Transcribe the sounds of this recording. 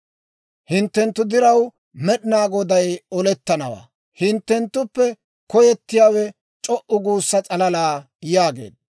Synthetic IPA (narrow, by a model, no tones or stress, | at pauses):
hɪnt̪ːɛnt̪ːʊd̪ɪɾɐw | mɛɗɪnaːɡɔd̪ɐjɔlɛt̪ːɐnɐwa̰ː | hɪnt̪ːɛnt̪ːʊpːɛ | kɔjɛt̪ːɪjaːwɛ | t͡ʃʼɔʔʊɡuːsːɐt͡sʼɐlɐlaː | jaːɡe̞̰ːd̪̚